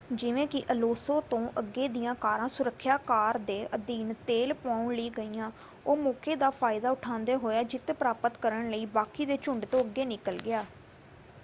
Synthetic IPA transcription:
d͡ʒɪʋẽːkɪʔəloːsõːt̪õːʔəɡːeːd̪ijãːkaːɾãːsʊɾəkʰːjaːkaːɾd̪eːʔəd̪iːnt̪eːlpãːʊɳləiːɡəiːãː | oːmoːkeːd̪aːpʰaːɪd̪aːʊʈʰãːnd̪eːɦoːjaːd͡ʒɪt̪ːpɾaːpət̪kəɾəɳləiːbaːkiːd̪eːt͡ʃʊɳɖt̪õːəɡːeːnɪkəlɡɪaː

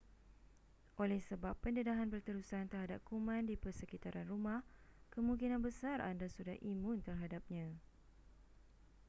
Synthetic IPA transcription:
ʔolɛhsəbapːəndədaɦanbərt̪əɾusant̪ərɦadap̚kumãndipərsəkit̪aɾʔanrumahkəmũŋkinãnbəsara̰ndasudahʔimũnt̪ərɦadap̚ɲã

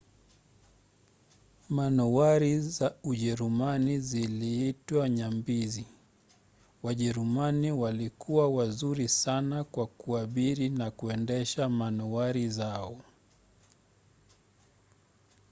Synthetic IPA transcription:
manɔwaɾizauʄɛɾumaniziliitwaɲambizi | waʄɛɾumaniwalikʰuwawazuɾisanakwakuaɓiɾinakuɛndɛʃamanɔwaɾizaɔ

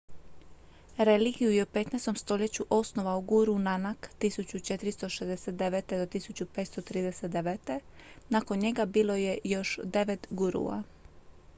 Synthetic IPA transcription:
ɾe̞liɡijujeupe̞t̪nɛst̪o̞mst̪o̞ʎe̞t͡ɕuʔo̞sno̞ʋauɡuɾunanakt̪isut͡ɕut͡ʃet̪ɾist̪o̞ʃezd̪eset̪d̪eʋet̪ed̪ot̪isut͡ɕupet̪st̪ot̪ɾiːd̪eset̪d̪eʋet̪e̞nako̞nɲe̞ɡabiːlo̞jejo̞ʃd̪e̞ʋet̪ɡuɾṵa̰

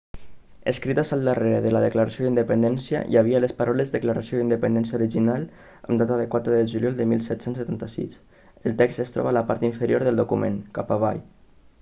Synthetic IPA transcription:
ə̰skɾit̪əzalˠd̪əreɾeðələðəklaɾasjod̪ind̪əpənd̪ɛnsjə̰jaβialəspaɾʔɔlezðəklaɾasioðind̪əpənd̪ɛnsjauɾiʒinal | ə̰md̪at̪əðəkwat̪ɾəðəʒuljɔlˠd̪əmilˠsɛt̪sensət̪ant̪əsḭs | əlˠt̪ɛkst̪əst̪ɾɔ̰βaləpa̰ɾt̪iɱfəɾijoɾðəlˠd̪ukumḛ̃ŋkapaβaj

